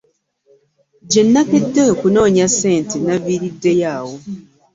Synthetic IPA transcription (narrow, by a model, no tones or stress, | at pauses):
ɟe̞nːakedːeokuno̞ːɲasːe̞ːntenaβiɾidːe̞jaːwo̞